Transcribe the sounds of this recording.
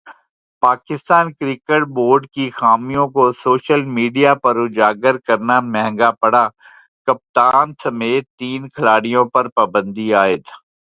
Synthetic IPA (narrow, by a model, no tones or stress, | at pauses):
paːkɪst̪aːnkɾɪkeʈ̚boːɾɖkixaːmijõkosoːʃəlmiːɖijapɐɾʊd͡ʒaːɡəɾkɐɾnamɛɦɛ̃ŋɡapɐɽaː | kɐp̚t̪aːnsɐmeːt̪ːiːnkʰɐlaːɽijõpɐɾpaːbə̃nd̪iaːɪt̪ʰ